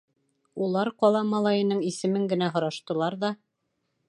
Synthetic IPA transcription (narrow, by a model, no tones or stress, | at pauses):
ulˠɑɾqɒlˠɑmɑlˠɑjɤ̆nɤɴisɘ̆mɘŋɡɘ̆næɦŏɾɑʃt̪ɤ̆lˠɑɾðɑ